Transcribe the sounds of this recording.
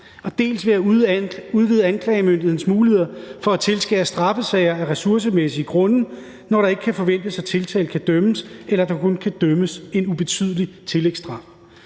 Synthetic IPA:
ɒ̽d̥e̝̰ːlsʋe̝æ | uð̞ˠʋið̩ˠænkʰlɛːɪmønd̥ðˠn̩smuːlihe̝ð̰ˠɐfɒ̽æt͡sʰe̝lsɡ̥ɛ̰ːsd̥ʁɑ̈fəsɛɪɐæʁɛsuɐs̬əmesiɡ̥ʁɔ̽nə | nɒɾɑ̈e̝ɡ̥əkʰæfɒ̽ʋen̰d̥əsæt͡sʰe̝lt͡sʰɛ̰ːlkʰæd̥œməselɐd̥ɑ̈kʰonkʰæd̥œməse̝nub̥e̝t͡sʰy̰ð̞ˠəlit͡sʰe̝leɡ̥sd̥ʁɑ̈f

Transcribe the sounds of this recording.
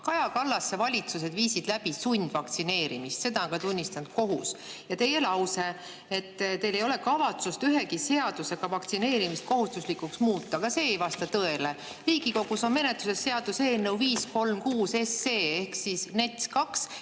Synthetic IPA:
kɑjɑkɑlːɑsːevɑlʲit̪suse̞d̪viːsid̪̥læb̥isunʲd̪̥vɑkt̪sine̞ːɾimist̪se̞d̪ɑnkɑt̪unʲːist̪ɑnd̪̥̚ko̞ɦusjɑt̪e̞je̞lɑwse̞ | et̪ːt̪e̞jle̞jo̞le̞kɑvɑt̪sust̪yɦe̞kise̞ɑd̪̥use̞ɡ̥ɑvɑkt̪sine̞ːɾimist̪̚ko̞ɦust̪uslikːuksmuːt̪ˑːɑkɑse̞ːjvɑst̪ɑt̪ɤe̞le̞ | riːɡiko̞ɡ̥uso̞nme̞ne̞t̪ːˑusesːe̞ɑd̪use̞ːlne̞uviːsko̞lmkuːse̞sːe̞ːe̞hksisne̞t̪skɑks

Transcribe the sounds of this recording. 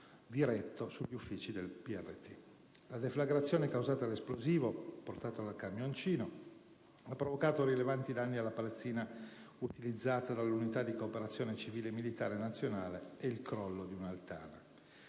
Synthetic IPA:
d̪iɾɛt̪ːosuʎːufːiːt͡ʃid̪elpiɛrːet̪i | lad̪eflaɡɾat̪sːjoːnekawzaːt̪alesploziːvoport̪aːt̪oalkamjont͡ʃiːno | apːɾovokaːt̪oɾilevant̪id̪anːialːapalat̪sːiːna | ut̪ilid̪zːaːt̪ad̪alːunit̪ad̪ːikoːpeɾat̪sːjoːnet͡ʃiviːlemilit̪aːɾenat̪sːjonaːleeilkɾɔlːod̪iunalt̪a̰ːna

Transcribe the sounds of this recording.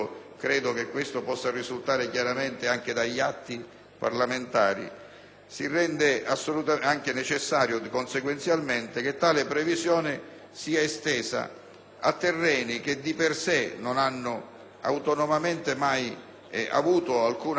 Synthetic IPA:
kɾɛːd̪ʊkekwest̪opɔsːarizult̪aːɾɪkjaɾament̪eaŋk̟ed̪aʎːat̪ːi | pa̰rlament̪aːɾḭ | sirːɛnd̪easːolut̪aaŋk̟enet͡ʃɪsːaːɾjʊkonseɡwɛnt̪sjalment̪ɪk̟et̪ːaːlɪpɾɛvizjɔːnɪ | siːaest̪ɛːza̰ | a̰t̪ːɛrːɛːnik̟ed̪ipersenʊnanːʊ | a̰wt̪ɔnomament̪emaj | a̰vuːt̪ʊalkuːn

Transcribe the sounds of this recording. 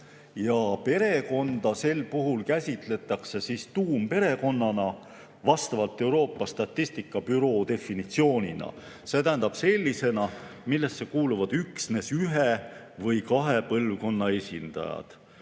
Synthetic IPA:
jɑpe̞ɾe̞ko̞nd̪̥ɑse̞lpuɦulkæsʲit̪ˑle̞t̪ːˑɑkse̞sist̪uːmpe̞ɾe̞ko̞nːɑnɑ | vɑst̪ɑvɑlt̪ˑe̞wɾo̞ːpːˑɑst̪ɑt̪ːisʲt̪ikːˑɑbyɾo̞d̪e̞finit̪sio̞ːnʲinɑ̰ | se̞ːt̪æɦænd̪ɑb̥se̞lʲːise̞nɑmilːe̞stːe̞kuːluvɑd̪̥yksne̞syɦe | vɤjkɑɦe̞pɤlvko̞nːɑe̞sʲind̪̥ɑ̰jɑ̰d̪̥

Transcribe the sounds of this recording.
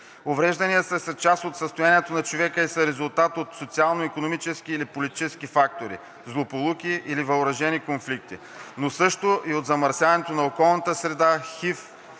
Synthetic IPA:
ovɾɛʒd̪ɐnijəsəsɐt͡ʃast̪ot̪səst̪ojaniɛt̪onɐt͡ʃovɛkəisəɾɛzʊlˠt̪at̪ot̪sot̪sialˠnoikonomit͡ʃɛsk̟iːlipolit̪i̥t͡ʃɛskifak̚t̪oɾḭ | zlˠopolˠukʲiʔilivɐʊɾɐʒɛnikonflik̚t̪i | nosɤʃt̪oʔiod̪zɐmɐɾsʲjavɐnɛt̪onɐokɔlˠnət̪əsɾɛd̪axif

